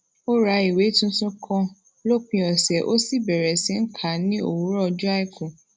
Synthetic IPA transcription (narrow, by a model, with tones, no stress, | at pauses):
o˦ɾa˨˧˦i˨we˨˦tũ˦sũ˦kʰɔ̃˧ | lo˦k͡pĩ˧ɔ˨sɛ˨ʔo˦si˦˨bɛ˨ɾɛ˨sĩ˨˦ŋ̩˦kʰa˨nĩ˦o̰˨wu˨˦ɾɔ˦˧d͡ʒu˦a˦i˦kũ˨